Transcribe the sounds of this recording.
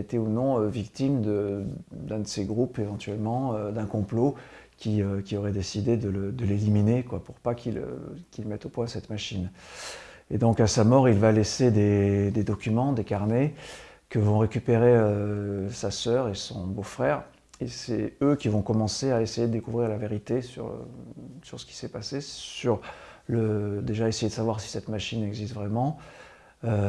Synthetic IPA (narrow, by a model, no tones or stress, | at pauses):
et̪eunɔ̃øvikt̪imd̪əd̪ɛ̃d̪əseɡʁupevɑ̃t̪ɥɛlmɑ̃ød̪ɛ̃kɔ̃plo | kʲiøkʲiɔʁɛd̪esid̪ed̪ələd̪əleliminekwapuʁpakʰʲilø̰kʲilmɛt̪opwɛ̃sɛt̪maʃin | ed̪ɔ̃kasamɔʁilvalesed̪ed̪ed̪ɔkʲymɑ̃d̪ekaʁne | kəvɔ̃ʁekʲypeʁeøsasœʁesɔ̃bofχɛːʁ | esɛøkʲivɔ̃kɔmɑ̃seaesejed̪əd̪ekuvʁiʁlaveʁit̪esy̰ʁ̰ | syʁsə̥kʲi̥sɛpasesyʁləd̪eʒaesejed̪əsavwaʁsi̥sɛt̪maʃinɛɡzist̪vʁɛmɑ̃ | ø